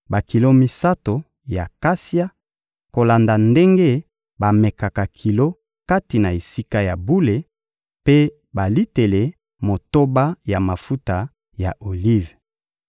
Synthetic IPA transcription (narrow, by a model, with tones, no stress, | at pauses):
ba˨ki˨lo˦mi˦sa˦to˨ | ja˨ka˦si˦a˦ | ko˨la˨nda˨nde˦ŋɡe˦ | ba˨me˨ka˨ka˨kʰi˨lo˦ | ka˦ti˨na˨e˨si˦ka˦ja˨bu˦le˨ | pe˦ | ba˨li˦te˨le˨ | mo˨to˦ba˦ja˨ma˨fu˦ta˨ | ja˨ʔo˨li˦v